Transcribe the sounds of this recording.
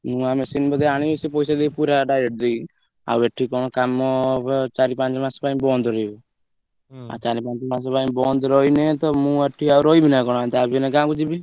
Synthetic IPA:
mũamesinbɔd̪ɔaɽ̃iesipɔjsad̪epuɾaɖajɾeʈ̚d̪ej | a̰weʈʰːikɔɽ̃ɔ̃kamːɔt͡ʃaɾipãnt͡ʃmaspaĩmbɔnd̪ɾɔibɔ | a̰t͡ʃaɾipãnt͡ʃmas̬ɔpaimbɔnd̪ɾɔinet̪ɔmũeʈʰːiauɾɔibinakɔɽ̃at̪abinekãkud͡ʒibi

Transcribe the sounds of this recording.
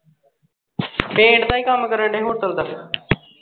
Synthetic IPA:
pẽːɳɖt̪ãːiːkəmkəɾəɳɖeːɦoːt̪əld̪ək

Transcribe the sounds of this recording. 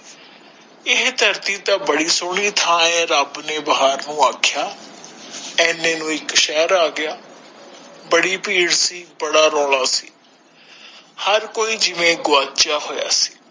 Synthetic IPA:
ɪɦd̪ʱəɾt̪iːt̪ãːbəɽiːsoːɽiːt̪ʰãːɛ̃ːɾaːbneːbaɦaːɾnũːaːkʰjaː | ɛːnẽːnũːɪkʃɛːɾaːɡɪjaː | bəɽiːpiːɽsiːbəɽaːɾɔːlaːsiː | həɾkoːiːd͡ʒɪʋẽːɡʊaːt͡ʃaːɦoːja̰ːsi̥ː

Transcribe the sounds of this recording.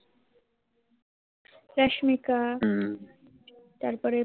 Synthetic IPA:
ɾaʃmika | t̪aɾpɔɾe

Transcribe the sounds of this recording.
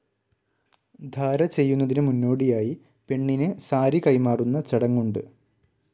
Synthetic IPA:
d̪ʱaːɾɐt͡ɕe̞jːunːɐðinɨmunːo̞ːɽijaːji | pe̞ɳːinɨsaːɾikɐjmaːrunːɐt͡ɕɐɽɐŋːuɳɖɨ

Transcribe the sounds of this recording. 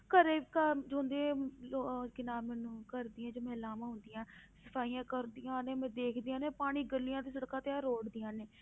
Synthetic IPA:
kəɾeːkəd͡ʒõːnd̪ẽokɪnaːmɛːnũːkəɾd̪iːãːd͡ʒoːmɛ̃ːlaːmãːɦʊ̃nd̪ɪjãːsəpʰaːijãːkəɾd̪ɪjãːneːmɛ̃ːd̪eːkʰd̪ɪjãːneːpaːɽ̃iːɡəlːijãːt̪iːs̬əɽkãːt̪eaːɾoːɽd̪ɪjãːneː

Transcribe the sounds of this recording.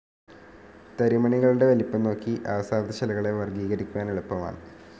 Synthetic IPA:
t̪ɐɾimɐɳiɣɐɭuɽe̞ʋɐlipːɐnːo̞ːkːiʔaʋɐsaːd̪ɐɕɐlɐɣɐɭeʋɐrɡiːɣɐɾikʲːuʋaːniɭupːɐʋa̰ːɳɨ

